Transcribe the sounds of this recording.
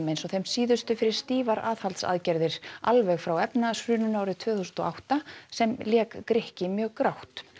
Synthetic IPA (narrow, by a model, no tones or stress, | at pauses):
mejnsɔθejmsiːðʏst̪ʏfɪɾɪɾ̥st̪iːvaɾaːðhalt̪sa̰ðcɛɾðɪɾ̥a̰lvɛɣfɾawɛpnasɾʏːnʏnaːwɾɪt̪ʰv̥œːθust̪ɔ̰ʔawht̪asɛmljɛːkːɾɪhcɪmjœːɣkɾawht̪